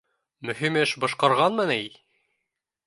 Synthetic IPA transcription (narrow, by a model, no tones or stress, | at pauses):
mɵ̆ɦimɘʃbɤ̆ʃqɑɾʁɑnmɘnæi